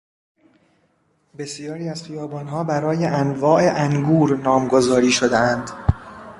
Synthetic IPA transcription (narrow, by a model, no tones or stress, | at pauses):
be̞sijɒːɾiːæz̥χijɒːbɒːnɦɒːbæɾɒːjeʔænvɒːʔe̞ʔæŋɡuːɾnɒːmɡo̞zɒːɾiːʃo̞d̪eænd̪